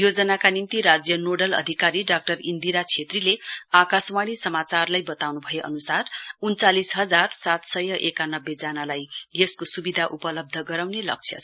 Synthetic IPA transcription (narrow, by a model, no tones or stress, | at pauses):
jod͡zʌnakanint̪iɾad͡zjʌnoɖʌlʌ̰d̪ʱikaɾiɖak̚ʈʌrind̪iɾat͡sʰet̪rileakaswaɽ̃isʌmat͡sarlajbʌt̪awnubʱʌjeʔʌ̰nusarunt͡salisɦʌd͡zarsat̪sʌjʌʔekanʌbːed͡zanalajjeskosubid̪ʱaʔupʌlʌb̚d̪ʱʌɡʌɾawnelʌ̰k̚t͡sʰjʌ̰